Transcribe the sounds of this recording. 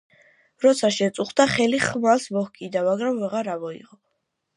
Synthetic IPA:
ɾɔt̪sʰaʃɛt̪sʼuχd̪aχɛliχmalsmɔhkʼid̪amaɡɾamvɛʁaɾavɔḭʁɔ

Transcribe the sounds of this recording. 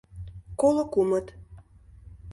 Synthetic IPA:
kolokumət̪

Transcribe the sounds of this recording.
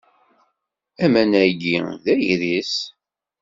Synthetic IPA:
æmænæɡiðæjiɾis

